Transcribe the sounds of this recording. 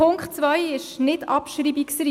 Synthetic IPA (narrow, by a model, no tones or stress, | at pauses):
ʊŋkχtt͡sʋœjɪʃnɪdɑ̰pʃɾiːbiksɾi